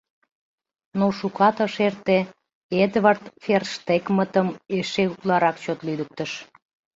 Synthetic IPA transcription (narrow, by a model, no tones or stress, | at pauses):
noʃukɑt̪əʃert̪e | ed̪βərt̪ferʃt̪ekmət̪əmeʃeuklɑɾɑkt͡ɕot̪lyd̪ək̚t̪əʃ